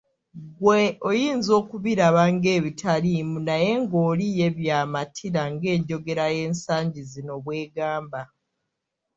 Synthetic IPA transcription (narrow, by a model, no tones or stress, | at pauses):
ɡweojiːnzo̞ːkuβiɾaβaŋɡe̞ːβitʰalimunaje̞ŋɡo̞ːlije̞βjaːmatʰiɾaŋɡe̞ːɲɟo̞ɡe̞ɾaje̞ːnsaːɲɟizino̞βwe̞ːɡaːmba